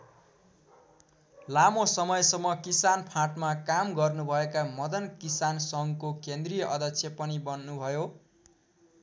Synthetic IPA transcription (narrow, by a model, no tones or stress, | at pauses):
lamosʌmʌjsʌmːʌkisanpʰãʈmakamɡʌrnubʱʌekamʌd̪ʌnkisansʌŋkokend̪rijʌʔʌd̪ʱʌksʰjepʌnibʌnːubʱʌjo